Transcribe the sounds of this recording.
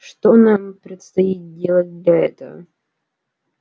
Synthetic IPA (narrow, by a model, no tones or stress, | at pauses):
ʂt̪onampɾʲɪt̪st̪ɐit̪̚dʲe̞lˠət̚ʲd̪lʲɐɛ̰t̪əvə̰